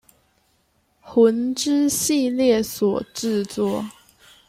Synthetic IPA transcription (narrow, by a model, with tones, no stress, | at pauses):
xwə˧˥nʈ͡ʂɻ̩˥ɕi˥˧ljɛ˥˩swɔ˨˩ʈ͡ʂɻ̩˥˧t͡swɔ˥˩